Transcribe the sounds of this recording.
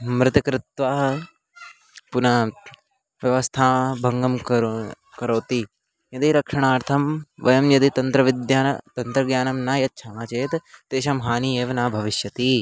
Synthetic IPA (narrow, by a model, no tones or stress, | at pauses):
mɾɪt̪ɐkɾɪt̪ʋaːɦɐ | puna | ʋjɐʋɐst̪ʰaːbʱɐŋɡɐmk | kɐɾoːt̪i | jɐd̪iɾɐkʂɐɳ̃aːɾt̪ʰɐmʋɐjɐmjɐd̪it̪ɐnt̪ɾɐʋɪd̪jaːnt̪ɐnt̪ɾɐɡjaːnɐmnaːjɐt̪̚ːt͡ʃʰaːmaːt͡ʃeːt̪t̪eːʃɐmɦaːniːeːʋɐnaːbʱɐʋɪʃjɐt̪i